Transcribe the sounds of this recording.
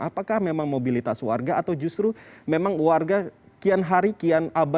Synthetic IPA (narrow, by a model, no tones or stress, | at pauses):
apakahmemaŋmobilit̪aswa̰rɡaːt̪awd͡ʒust̪ɾumemaŋwarɡa | kianɦaɾikianaba